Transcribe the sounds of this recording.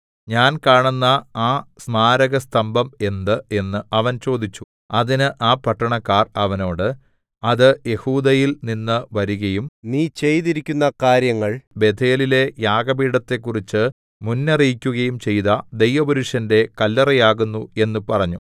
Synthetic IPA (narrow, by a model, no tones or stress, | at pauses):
ɲaːnkaːɳunːɐaːsmaːɾɐɣɐst̪ʰɐmbʱɐme̞nd̪ɨe̞nːɨɐʋɐnt͡ɕo̞ːd̪it͡ɕːu | ɐðinɨʔaːpɐʈːɐɳɐkːaːrɐʋɐno̞ːɽɨ | ɐðɨje̞huːd̪ɐjilninːɨʋɐɾuɣɐjumniːt͡ɕe̞jt̪iɾikʲːunːɐkaːɾjɐŋːɐɭbe̞d̪ʰe̞ːlile̞jaːɡɐbiːɽɐt̪ːe̞kːurit͡ɕːɨ | munːɐrijkʲːuɣɐjumt͡ɕe̞jðɐd̪e̞jʋɐbɐɾuʂjɐnde̞kɐlːɐrɐjaːɣunːue̞nːupɐrɐɲːu